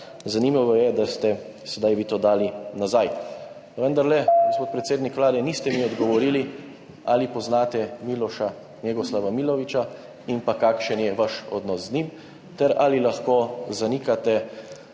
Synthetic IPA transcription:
zanimaʋɔjɛd̪ast̪ɛ | sɛd̪ajʋit̪oːd̪aːlinazaj | ʋənd̪aɾlɛɡospoːt̪̚pɾɛt̪seːd̪nikʋlaːd̪ɛniːst̪ɛmiɔd̪ɡɔʋɔɾiːli | alipɔznaːt̪ɛmilɔʃa | njɛɡɔslaʋamilɔʋit͡ʃa | impakaːkʃɛnjɛʋaʃɔ̰d̪nɔsznim | t̪ɛɾalilaxkoːzanikat̪ɛ

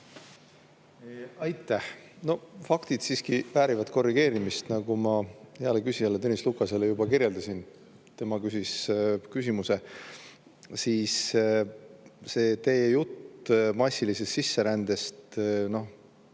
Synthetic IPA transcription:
ɑjt̪ːˑæhno̞fɑkt̪id̪̥siːskivæːɾivɑt̪ko̞rːiɡ̥e̞ːɾimist̪nɑɡumɑeɑlekysiɑlːet̪enʲislukːˑɑselejubɑkirjeld̪̥ɑsin | t̪e̞mɑkysiskysʲimuse̞ | siːs | se̞ːt̪e̞jejut̪ːmɑsʲːilisest̪sisːe̞ɾænd̪̥e̞st̪no̞h

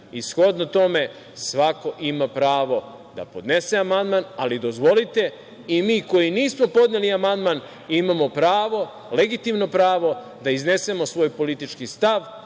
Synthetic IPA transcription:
isxo̞d̪not̪o̞me̞ | sʋako̞ʔimapɾaːʋo̞ | d̪a̰po̞d̪ne̞seamand̪manalid̪o̞zʋo̞lit̪e̞ | imiːko̞iniːsmo̞po̞d̪neliamand̪man | imamo̞pɾaːʋo̞ | leɡit̪imno̞pɾaːʋo̞ | d̪aizne̞se̞mosʋo̞ːjpo̞lit̪it͡ʃkist̪aʋ

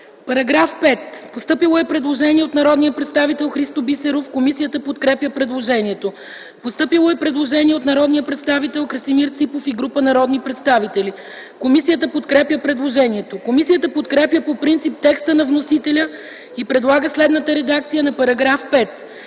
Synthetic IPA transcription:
pɐɾɐɡɾafpɛt̪post̪ɤpilˠoɛpɾɛd̪lˠoʒɛniɛot̪nɐɾɔd̪nijəpɾɛt̪st̪avit̪ɛlˠxɾist̪obisɛɾofkomisijət̪əpot̪kɾɛpjəpɾɛd̪lˠoʒɛniɛt̪o | post̪ɤpilˠoɛpɾɛd̪lˠoʒɛniɛot̪nɐɾɔd̪nijəpɾɛt̪st̪avit̪ɛlˠkɾəsimiɾt̪sipofiɡɾupənɐɾɔd̪nipɾɛt̪st̪avit̪ɛli | komisijət̪əpot̪kɾɛpjəpɾɛd̪lˠoʒɛniɛt̪okomisijət̪əpot̪kɾɛpjəpopɾint̪sip̚t̪ɛkst̪ənɐvnosit̪ɛlʲə | ipɾɛd̪lˠaɡəslɛd̪nət̪əɾɛd̪ak̚t̪sijənɐpɐɾɐɡɾafpɛt̪

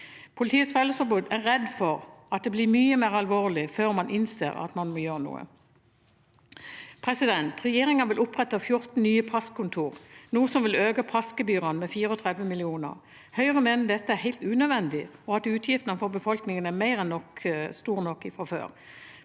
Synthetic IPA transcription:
pʰʊlɪt̪ʰiːət̪sfɛlːəsfɔbʉːd̪æʁʁɛd̪fɔʁɑt̪̚d̪ɛːblɪːmyːəmeːʁɑlʋoːʁlɪføːʁmɑnʔɪnsḛːʁɑ̰t̪mɑnmoːjøːʁənṵːə̰ | pʰɾɛsɪd̪ɛnt̪ʁɛjeːʁɪŋəʋɪlʔʊpːʁɛt̪ːɑfjʊɾt̪n̩nyːəpʰɑskʰʊnt̪ʰuːʁnuːəsɔmʋɪløːɡəpʰɑskəbyːʁənmɛfiːʁəɔt̪ʰʁɾɛd̪ʋəmɪlɪuːnə̰ʁ | hœʏʁəmeːnəd̪ɛt̪ːəæʁhæɪlt̪ʉːnød̪ʋɛnd̪ɪɔɑt̪ʉːt̪ʰjɪft̪ənəfɔbəfɔlknɪŋənæmæɪʁɛnːɔkst̪uːʁnɔkːɪfʁɑfø̰ːɾ

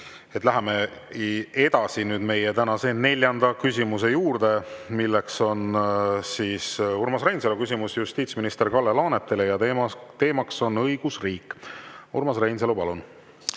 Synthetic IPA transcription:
et̪ːˑlæɦeme̞ | e̞d̪ɑsinyːd̪̥me̞jet̪ænɑse̞ːnne̞lʲjɑnd̪̥ɑkys̬ʲimuse̞juːɾd̪̥e̞milːekso̞nsiːsurmɑsrejnselukys̬ʲimusjust̪iːt̪sminist̪e̞rkɑlːelɑːnet̪ːˑe̞lejɑt̪e̞ːmɑkso̞nɤjɡ̥usriːkːuɾmɑsrejns̬elupɑlun

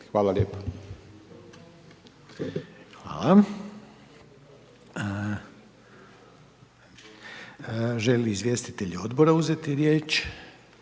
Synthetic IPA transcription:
xʋaːlalʲjeːpḁ | xʋa̰ːlˠa | ʒeliːzʋje̞st̪i̥t̪eʎio̞d̪boɾauzet̪iɾjeːt͡ʃ

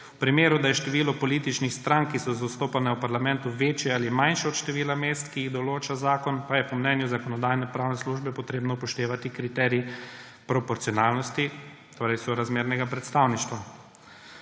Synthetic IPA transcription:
upɾimeːɾud̪ajɛʃt̪ɛʋiːlɔpɔliːt̪it͡ʃnixst̪ɾaŋkːisɔzast̪oːpanɛwpaɾlamɛnt̪uʋeːt͡ʃjɛalimajnʃɛɔt̪ʃt̪ɛʋiːlameːst̪kijiɣd̪ɔloːt͡ʃazaːkɔnpajɛpɔmnɛnjuzakɔnɔd̪aːjnɛpɾaːwnɛsluʒbɛpɔt̪ɾeːbnɔpɔʃt̪eːʋat̪ikɾit̪ɛːɾi | pɾɔpɔɾsiɔnaːlnɔst̪i | t̪oːɾɛjsoɾazmeːɾnɛɡapɾɛt̪st̪aːwniʃt̪ʋa

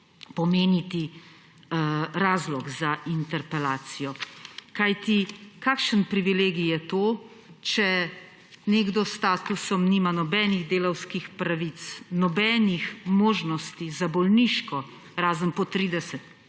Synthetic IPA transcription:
pɔmeːnit̪i | ɾaːzlɔɡzaʔint̪ɛɾpɛlaːt̪sijɔkajt̪ikaːkʃənpɾiʋileːɡijɛt̪oː | t͡ʃɛ | neɡd̪ɔst̪aːt̪usɔmniːmanɔbɛːniɣd̪eːlɐwskixpɾaʋit̪snɔbɛːnixmoːʒnɔst̪izabɔlniʃkɔ | ɾaːzənpɔt̪ɾiːd̪ɛsɛt̪

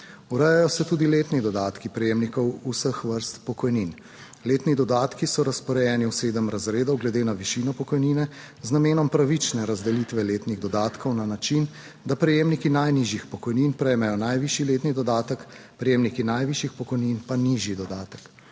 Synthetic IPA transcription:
uɾɛjajɔsɛt̪uːd̪ileːt̪nid̪ɔd̪aːt̪kipɾɛjeːmnikɔwusəxʋəɾst̪pɔkɔjnin | leːt̪nid̪ɔd̪aːt̪kisɔɾaspɔɾɛjɛːniwseːd̪əmɾazɾeːd̪ɔwɡlɛd̪eːnaʋiʃiːnɔpɔkɔjniːnɛ | znameːnɔmpɾaʋit͡ʃnɛɾazd̪ɛlit̪ʋɛleːt̪niɣd̪ɔd̪aːt̪kʰɔwnanat͡ʃin | d̪apɾɛjeːmnikinajniʒjixpɔkɔjniːnpɾɛjmɛjɔnajʋiːʃileːt̪nid̪ɔd̪aːt̪əkpɾɛjeːmnikinajʋiʃjixpɔkɔjninpaniːʒjid̪ɔd̪aːt̪ə̥k

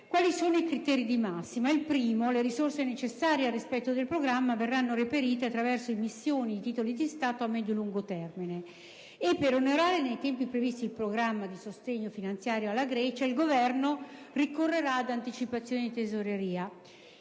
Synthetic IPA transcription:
kwaːlisoːnoikɾit̪ɛːɾid̪imasːimailpɾiːmoleɾisorsenet͡ʃesːaːɾjearːispɛt̪ːod̪elpɾoɡɾamːaverːanːoɾepeɾiːt̪eat̪ːɾavɛrsoimisːjoːnid̪it̪iːt̪olid̪ist̪aːt̪oamːɛd̪joluŋɡot̪ɛrmine | epːeɾonoɾaːɾenejt̪ɛmpipɾevist̪ilpɾoɡɾamːad̪isost̪eɲːofinant̪sjaːɾjoalːaɡɾɛːt͡ʃailɡovɛrno | rikorːeɾaːd̪ant̪it͡ʃipat̪sːjoːned̪it̪ezoɾeɾiːa

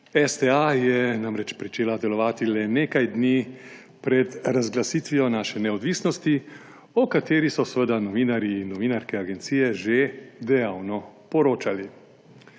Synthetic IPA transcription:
ɛst̪ɛajɛnamɾɛt͡ʃpɾit͡ʃeːlad̪ɛlɔʋaːt̪ilɛneːkajd̪ni | pɾɛd̪ɾazɡlasiːt̪ʋijɔnaːʃɛnɛɔd̪ʋiːsnɔst̪i | ɔkat̪eːɾisɔsʋəd̪anɔʋiːnaɾiːnːɔʋiːnaɾkɛaɡɛnt̪siːjɛʒed̪ɛjaːwnɔpɔɾoːt͡ʃali

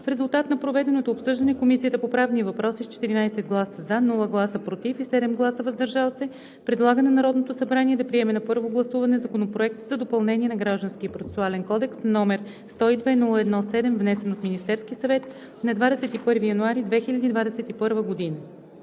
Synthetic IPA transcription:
fɾɛzulˠt̪at̪nɐpɾovɛd̪ɛnot̪oːpsɤʒd̪ɐnɛkomisijət̪əpopɾavnivɐpɾɔsist͡ʃɛ̥t̪iɾinajsɛd̪̚ɡlˠasəzanulˠəɡlˠasəpɾot̪ifisɛd̪ɛmɡlˠasəvɐzd̪ɐɾʒalˠsɛ | pɾɛd̪lˠaɡənɐnɐɾɔd̪not̪osɐbɾaniɛd̪ɐpɾiɛmɛnɐpɤɾvoɡlˠɐsuvɐnɛzɐkonopɾoɛk̚t̪zɐd̪opɐlˠnɛniɛnɐɡɾaʒd̪ɐnskiəpɾot̪ɛ̥sualɛnkɔd̪ɛksnnɔmɛɾ | st̪ɔid̪vɛnulˠəɛd̪nɔsɛd̪ɛmvnɛsɛnot̪minist̪ɛɾskisɐvɛt̪ | nɐd̪vad̪ɛsɛt̪ipɤɾvijɐnuaɾid̪vɛxilʲɐd̪iːd̪vad̪ɛsɛt̪ipɤɾvəɡod̪inə

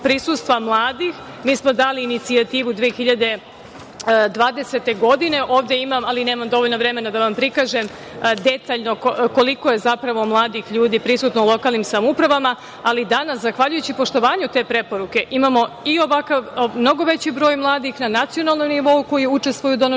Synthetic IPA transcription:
pɾisuːst̪ʋamlˠaːd̪ix | miːsmo̞d̪aːliːnit̪siat̪iːʋud̪ʋijexiʎad̪e̞ | d̪ʋaːd̪ese̞t̪e̞ɡo̞d̪ine̞ʔo̞ːʋd̪jeimamalineːmamd̪o̞ʋoʎʲnoʋɾe̞me̞nad̪aʋampɾikaːʒe̞m | d̪e̞t̪aːʎno̞kko̞likoje̞zapɾaʋo̞mlˠaːd̪ixʎuːd̪ipɾisuːt̪noulˠo̞kalˠnimsamupɾaʋama | alid̪anaszaxʋaʎujut͡ɕipo̞ʃt̪o̞ʋaːɲut̪e̞ːpɾe̞po̞ɾuke̞ʔimaːmo̞io̞ʋakaʋmno̞ɡo̞ʋe̞t͡ɕibɾo̞ːjmlˠaːd̪ixnanat̪sio̞nalˠnomniʋo̞uko̞jiut͡ʃest̪ʋojud̪on

